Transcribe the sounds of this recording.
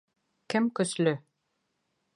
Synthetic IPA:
kɘmkɵ̆slɵ

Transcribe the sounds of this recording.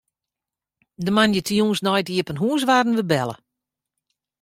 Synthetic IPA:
dəmanjətiuːnsnɔjtiəpənɦuːs̬ʋaːdn̩ʋəbɛlˠə̰

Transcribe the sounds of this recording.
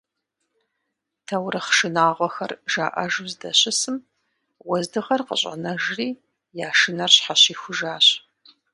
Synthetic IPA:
tʰɐwɾɨχʃɨnaːʁʷɔxɐrʒ̥a̰ːʔɐ̰ʒɨzdɐ̰ɕɪsɨm | wɐzdɨʁɐrqə̰ɕʼɐ̰nɐʒriː | jaːʃɨnɐrɕħaɕiːxʷʊʒaːɕ

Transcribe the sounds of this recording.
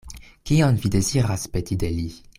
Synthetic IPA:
kiɔnvid̪eziʁaspet̪id̪eli

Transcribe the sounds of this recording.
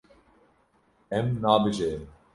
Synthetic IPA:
ɛmnaːbɨʒejɨm

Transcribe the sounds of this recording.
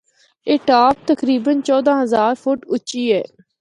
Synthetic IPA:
eːʈaːp̚t̪əkɾiːbənt͡ʃɔːd̪ãːɦəzaːɾfʰʊʈʊt͡ʃiːɛː

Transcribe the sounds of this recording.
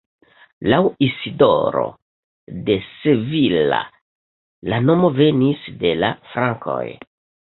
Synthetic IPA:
lawisido̰ɾo̰ | de̞sevila̰ | lanomo̞venisde̞la̰fɾaŋko̰j

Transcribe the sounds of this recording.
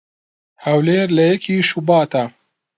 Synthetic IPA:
hɐwleːɾlɐjɐkʰiːʃubɑːt̪ɐ

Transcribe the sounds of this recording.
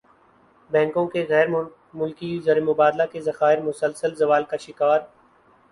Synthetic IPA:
bɛ̃ːŋkõkeɣɛːɾ | mʊlkizɐɾemʊbaːd̪lakezɐxaːɪɾmʊsəlsəlzɐʋaːlkaʃɪkaːɾ

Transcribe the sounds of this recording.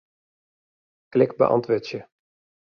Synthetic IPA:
klɪkbə̰ʔɑ̰ntʋøtjə

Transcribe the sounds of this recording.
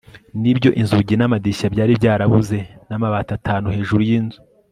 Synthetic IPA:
nibɟo̞̰ʔinzuɟinamadiʃabɟaːɾibɟaːɾaβuze̞namaβaːtatʰaːnuhe̞ːʒuɾujiːnzu

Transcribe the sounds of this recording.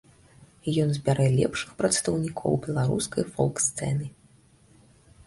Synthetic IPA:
jɔnzʲbʲaɾɛlʲɛ̰pʂɨ̥xpɾɐt̪st̪ɐwnʲikʰɔ̰wbʲɛlˠaɾuskɐjfɔ̰lˠkst̪sɛ̰nɨ

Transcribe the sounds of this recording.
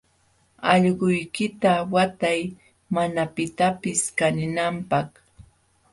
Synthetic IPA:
ɑʎɢʊjkɪt̪awat̪aj | manapɪt̪apɪskanɪnampɑχ

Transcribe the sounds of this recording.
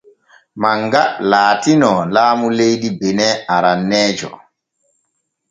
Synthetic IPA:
maŋɡalaːtinɔlaːmulejɗibɛnɛaɾanːɛːd͡ʒɔ̰

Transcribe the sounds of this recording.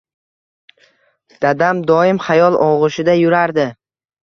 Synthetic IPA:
d̪̥ad̪amd̪ɒɪmχajɒlˠɒʁɨʃɪd̪ajʊɾaɾd̪ɪ

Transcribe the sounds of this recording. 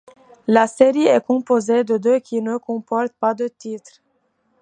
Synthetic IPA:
laseʁiɛkɔ̃pozed̪əd̪økʲʰinəkɔ̃pɔɾt̪̚pad̪ət̪it̪ɾ

